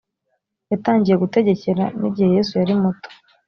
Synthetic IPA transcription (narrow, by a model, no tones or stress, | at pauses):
jataːɲɟije̞ɡute̞ɟe̞ce̞ɾanḭbɟiheje̞ːsujaɾimuto̥